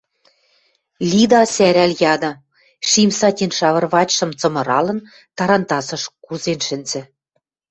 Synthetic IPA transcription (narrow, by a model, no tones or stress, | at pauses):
lʲid̪ɑsæɾæljɑd̪ɤ̆ | ʃimsɑtʲinʃɑβɤ̆rβɑt͡ɕʃɤ̆mt͡sɤ̆mɤ̆ɾɑlɤ̆n | t̪ɑɾɑnt̪ɑsɤ̆ʃkuzenʃɘ̆nzɘ̆